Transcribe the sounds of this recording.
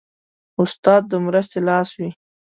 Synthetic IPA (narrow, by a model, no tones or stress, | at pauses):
ʊst̪ɑd̪̚ːəmɾəs̬t̪elɑswi